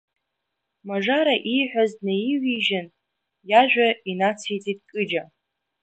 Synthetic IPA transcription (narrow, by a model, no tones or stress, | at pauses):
maʐaɾaʔijħʷᶣazdnejiɥiʒan | jaʒᶣʷainat͡sʰijt͡sʼit̚ʼkʼɨd͡ʒa